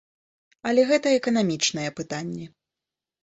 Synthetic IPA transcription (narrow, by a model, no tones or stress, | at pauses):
ɐlʲɛɣɛt̪ɐɛkɐn̪amʲit͡ʂnɐjɛpɨt̪anʲːɛ